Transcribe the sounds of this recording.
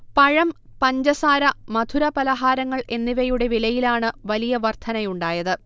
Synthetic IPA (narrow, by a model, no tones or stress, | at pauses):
pɐɻɐmpɐɲd͡ʑɐsaːɾɐmɐd̪ʰʱuɾɐpɐlɐɦaːɾɐŋːɐɭe̞nːiʋɐjuɽe̞ʋilɐjilaːɳɨʋɐlijɐʋɐrt̪ʰɐnɐjuɳɖaːjɐðɨ